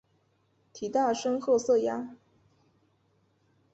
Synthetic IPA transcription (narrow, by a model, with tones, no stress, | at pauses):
t̪ʰi˨˩t̪a˥˩ʂə˥nxɤ˥˧sɤ˥˩ja˥